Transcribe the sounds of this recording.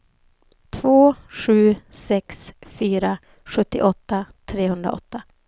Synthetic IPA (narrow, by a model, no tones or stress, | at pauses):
t̪ʰv̥oːɧʉ̟ːsɛksfyːɾa | ɧɵt̪ːɪ̰ʔɔt̪ːat̪ʰɾeːhɵnd̪ɾa̰ʔɔ̰t̪ːa